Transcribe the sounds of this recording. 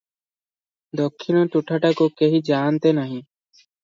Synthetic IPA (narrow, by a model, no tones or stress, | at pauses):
d̪okʰːɪnõːt̪uʈʰaːʈaːkoːkeɦiːd͡ʒaːnt̪eːnəɦĩː